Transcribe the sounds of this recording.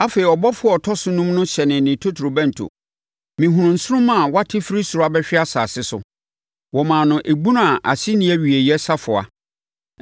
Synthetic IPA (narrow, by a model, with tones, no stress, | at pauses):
a˦fe˨ɾi˨ɔ˨bɔ˦fʊ˦ɔ˨tʰɔ˦sʊ˦nũ˦mnʊ̃˦ɕɛ˨nɪ̃˨nɪ̃˨tʰo˦tʰɾo˨bɛ̃˦n̩˨tʰo̰˨ | mɪ̃˨ɦũ˨ɾʊ̃˨n̩˨sʊ˦ɾʊ̃˦mã˦˨wa˦tʰɪ˦fɾi˦su˨ɾa˦bɛ˦ɕᶣɪ˦a˦saː˨sɪ˦sʊ̰˨ | wɔ˨mãː˨nʊ̃˨ʔe˨ɡ͡bũ˦n˦a˨ʔa̰˨sɪ˦nɪ̃˦æ˦ɥi˨e˨jɛ˦sa˦fʊ˨a̰˨